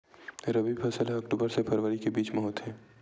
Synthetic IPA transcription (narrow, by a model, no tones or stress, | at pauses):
ɾəbipʰɐsəlɦɐkʈuːbəɾsepʰɐɾʋəɾikebiːt͡ʃmɔɦoːt̪ɦɛ̃ː